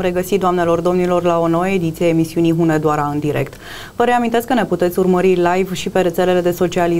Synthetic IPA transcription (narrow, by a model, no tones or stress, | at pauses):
ɾe̞ɡəsit̪d̪oamne̞lo̞rd̪o̞mnilo̞rlao̞no̞wəed̪it̪sijeemisiuniɦuned̪oaɾaɨnd̪iɾe̞̰k̚t̪ | vəɾe̞amint̪e̞skəne̞put̪e̞t̪sʲurməɾilajvʃipe̞ɾe̞t̪se̞le̞le̞d̪e̞so̞t͡ʃiali